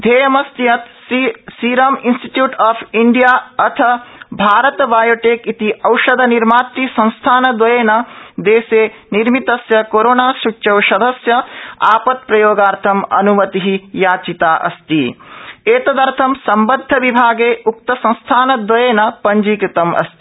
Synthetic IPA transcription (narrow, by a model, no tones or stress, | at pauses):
d̪ʱeːjɐmɐst̪ijɐt̪ | siːɾaːminsʈi̥ʈjuːʈaːpʰiɳɖijaːɐt̪ʰɐbʱaːɾɐt̪ɐʋaːjoʈeːkit̪iʔɐwʃɐd̪ʱɐniɾmaːt̪ɾisɐ̃ñst̪ʰaːnɐd̪ʋɐjeːnɐd̪eːseːniɾmit̪ɐsjɐkoɾoːnaːsut͡ʃɐwʃɐd̪ʱɐsjɐaːpɐt̪̚pɾɐjoːɡaːɾt̪ʰɐmɐ̰numɐt̪iɦijaːt͡ʃit̪aːʔɐ̰st̪ieːt̪ɐd̪ɐɾt̪ʰɐmsɐmbɐd̪ʱːɐʋibʱaːɡeːʔuk̚t̪ɐsɐ̃ñst̪ʰaːnɐd̪ʋɐjeːnɐpɐɲd͡ʒiːkɾit̪ɐmʔɐ̰st̪i